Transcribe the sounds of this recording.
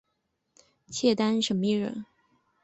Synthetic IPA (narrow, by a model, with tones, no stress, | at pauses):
t͡ɕʰjɛ˥˩t̪a˥nʂə˧˥nmə˦i˥˩ɻə̰˧˥n